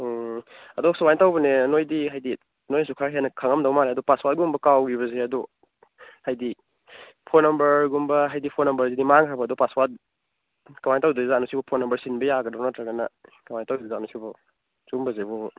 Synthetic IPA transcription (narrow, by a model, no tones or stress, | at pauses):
ɐdɔsawajntawbɐnenojdiɦajdi | nojsukʰaɦenɐkʰaŋɐmdawmaneɐdɔpaswat̚ɡumbɐkawɡiβɐzeɐdɔ | hajdi | pʰonɐmbɐɾɡumbɐɦajdipʰonɐmbɐɾzidimaŋɦʰaɾbaːdɔpaswat̚ | kawajntawduzanusibɔpʰonɐmbɐɾsinbɐjaɡɐdawnatɾaɡɐnɐ̰kawajntawdzanusibɔ | zumbɐzebuŋ